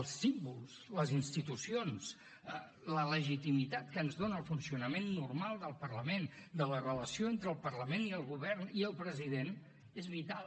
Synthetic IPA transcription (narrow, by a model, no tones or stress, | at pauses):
lˠsimbulˠsləzinst̪it̪usions | ə | lələʒit̪imit̪at̪̚kəːnzðonəːlˠfunsiunəmenːurmalˠd̪əlˠpərləmend̪ələrələsioent̪ɾəːlˠpərləmeniəlˠɣuβɛrniəlˠpɾəziðen | ezβit̪al